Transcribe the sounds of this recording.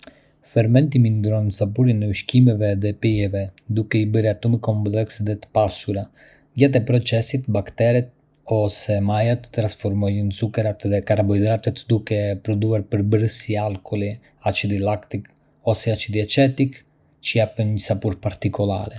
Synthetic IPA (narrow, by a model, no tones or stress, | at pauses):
fɛɾmɛnt̪̬imind̪ɾɔnnəsapuɾinɛuʃkimɛvɛðɛpɛjɛvɛd̪ukɛibəɾat̪uməkɔmplɛksðɛt̪ə̥pasuɾa | ɟat̪̬ɛpɾɔt͡sɛsit̪bakt̪ɛɾɛt̪̚ | ɔsɛmajat̪ə̥t̪ːɾãnsfɔɾmɔjənsukɛɾat̪ðɛkaɾabɔjd̪ɾat̪ɛt̪d̪ukɛpɾɔd̪uaɾpəɾbəɾəsialˠkʰɔlˠi | at͡ʃid̪ilakt̪ik | ɔsɛat͡ʃid̪iɛt͡ʃɛt̪ik | t͡ʃəjapənɲəsapuɾpaɾt̪ikɔlˠa̰ɾɛ